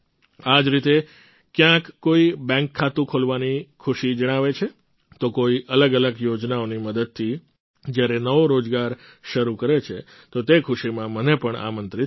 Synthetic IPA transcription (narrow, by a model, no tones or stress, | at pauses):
ad͡ʒɾit̪e | kjãkːoibɛ̃ŋkʰːat̪ũkʰolʋanikʰuʃid͡ʒəɽ̃aʋet͡ʃʰe | t̪okoiʔələɡələɡjod͡ʒnaoniməd̪əd̪̚t̪ʰi | d͡ʒjaɾenəʋoɾod͡ʒɡaɾ | ʃəɾukəɾet͡ʃʰe | t̪ot̪ekʰʊʃimãmənepəɳa̰mənt̪ɾi